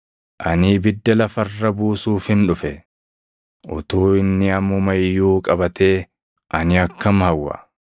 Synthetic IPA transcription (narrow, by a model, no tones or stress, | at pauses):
ʔɐnɪːbɪd̪ːɐlɐfɐrːɐbuːsuːfhɪnᶑʊfɛ | ʔʊt̪uːɪnːɪɐmʊmɐjːuːkʼɐbɐt̪e̞ː | ʔɐnɪɐkːɐmhɐwːɐ̰